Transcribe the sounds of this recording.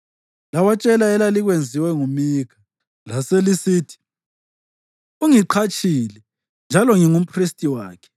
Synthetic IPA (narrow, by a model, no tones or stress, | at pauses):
lawat͡ʃʼɛlaɛlaliɣwend͡zʱiwɛŋumikʰa | laselisiːtʰi̥ | uŋiǃʰat͡ʃʼiːlɛ | nd͡ʒʱalɔŋiŋum̩pʰʼristʼiwa̰ːkʰɛ̥